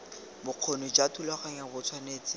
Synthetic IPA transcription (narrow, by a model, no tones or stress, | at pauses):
bʊq͡χʰonid͡ʒatʰulaχaɲabʊt͡sʰwaneːt͡sɪ